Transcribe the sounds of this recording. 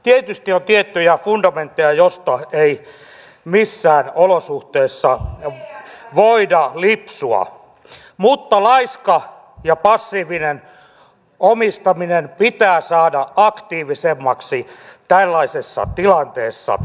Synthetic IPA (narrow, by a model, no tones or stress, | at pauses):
t̪iet̪yst̪iont̪iet̪ːyjæfundɑment̪ːejɑjost̪ɑei | misːæːnolosuht̪eːsːɑ | ʋoidɑlipsuɑ̰ | mut̪ːɑlɑiskɑ | jɑpɑsːiːʋinen | omist̪ɑminenpit̪æːsɑːdɑɑkt̪iːʋisemːɑksit̪ælːɑisesːɑ̰t̪ilɑnt̪eːsːɑ̰